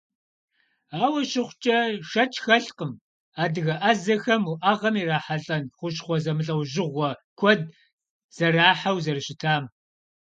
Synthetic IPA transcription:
aːwɐɕɪχʷt͡ʃʼɐʂɐt͡ʃʰʼxɐɬqʼəm | aːdɨɣɐʔɐzɐxɐmuʔaʁɐmiːraːħaɬʼɐnχʷʊɕχʷɔzɐmɨɬʼɐwʑɪʁʷɔkʷʰɔd̚ | z̥ɐraːħawzɐrɨɕɪtʰaːm

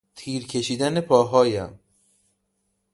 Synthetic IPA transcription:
t̪ʰiːɾcʰe̞ʃiːd̪æne̞pʰɒːɦɒːjæ̰m

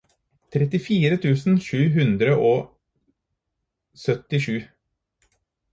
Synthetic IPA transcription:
t̪ʰɾɛt̪ɪfiːɾət̪ʰʉːsn̩ʃʉːɦʉnd̪ɾəʔoː | sœt̪ɪʂʉː

